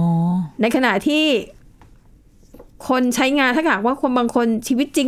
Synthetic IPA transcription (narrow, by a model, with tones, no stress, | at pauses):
ɔ˦na˧jkʰa˧na˨˩t̪ʰiː˥˩ | kʰo˧nt͡ɕʰa˦˥jŋaː˧nt̪ʰaː˥˩kʰhaː˨˩k̚waː˥˩kʰo˧nbaː˧ŋkʰo˧nt͡ɕʰiː˧wi˦˥t̪̚t͡ɕi˧ŋ